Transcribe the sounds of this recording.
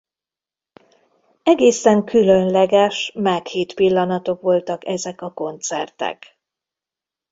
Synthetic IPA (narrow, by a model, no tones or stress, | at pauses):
ɛɡeːsɛŋkʰylønlɛɡɛʃmaːkheːt̪pilːɒnɒt̪o̞kʋo̞lt̪ɒkɛzɛkɒko̞nt̪sɛrt̪ɛ̰k